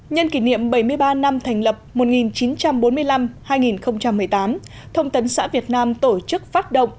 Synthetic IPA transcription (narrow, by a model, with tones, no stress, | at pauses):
ɲə˧nki˧˩nḭ˧˨əmɓə˧˩jmɨ˧əjɓaː˧na˧mt̪ʰɛ˨˩ŋ̟lə˨˩p̚mo˨˩t̚ŋi˨˩nt͡ɕi˨˦nt͡ɕa˧mɓo˨˦nmɨ˧əjla˧mhaː˧jŋi˨˩nxə˧wŋ͡mt͡ɕa˧mːɨ˨˩əjt̪aː˨˦m | t̪ʰə˧wŋ͡mt̪ə˨˦nsa̰ː˧˥vi˨˩ət̚naː˧mt̪o˧˩t͡ɕɨ˦˥k̚faː˦˥t̚ɗo̰˧˨wŋ͡mʔ